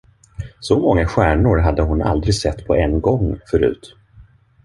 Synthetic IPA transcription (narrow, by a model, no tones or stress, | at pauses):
sɔmɔŋːaɧæːɳʊɾɦad̪ːəɦʊna̰ld̪ɾɪɡsɛt̪ːpʰɔʔɛnːɡɔŋːfœɾʉ̟̰ːt̪